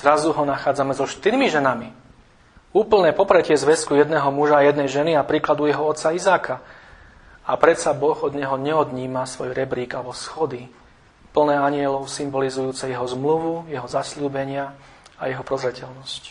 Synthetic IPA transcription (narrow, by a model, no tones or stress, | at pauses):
z̥ɾazuɦɔnaxaːd͡zamɛzɔʃt̪iɾmiʒɛnami | uːpl̩nɛːpɔpɾɛcɪɛzʋɛskujɛd̪nɛːɦɔmuʒaːjɛd̪nɛjʒɛniapɾiːklad̪ujɛɦɔɔt̪saizaːka | apɾɛsabɔɣɔd̪ɲɛɦɔɲɛɔd̪ɲiːmasʋɔjɾɛbɾiːɡalɛbɔsxɔd̪i | pl̩nɛːaɲɪɛlɔʊsimbɔlizujuːt͡sɛjɛɦɔzmluʋujɛɦɔzasluːbɛɲɪa | ajɛɦɔpɾɔzɾɛcɛlnɔsc